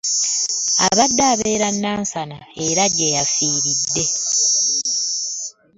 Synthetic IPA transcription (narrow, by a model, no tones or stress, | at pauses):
aβadːaːβe̞ːɾanːaːnsanae̞ɾaɟejafiːɾidːe̞